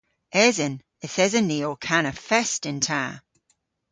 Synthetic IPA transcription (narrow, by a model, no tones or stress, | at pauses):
ɛzən | əθɛzəniːɔkʰanəfɛstɪ̃ntʰaː